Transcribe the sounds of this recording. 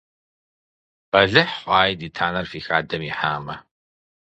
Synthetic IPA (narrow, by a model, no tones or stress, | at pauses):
qɐɮɨħħʷaːjdiːtʰaːnɐrfiːxaːdɐmiːħaːmɐ